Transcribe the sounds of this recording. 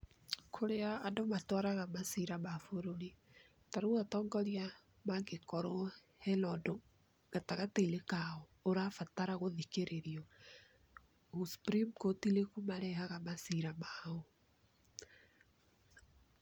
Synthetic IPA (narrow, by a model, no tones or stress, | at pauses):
kʰoɾeaːdomatwaɾaɣamasiɾamafoɾoɾi | taɾoɣatɔːŋɡɔɾia | maŋɡekɔɾɔ | hɛlɔdo | ɣataɣateilekaɔ | oɾafataɾaɣoðikeɾeɾjɔ | ɣuspɾimkotilekumaɾɛhaɣamasiɾamaɔ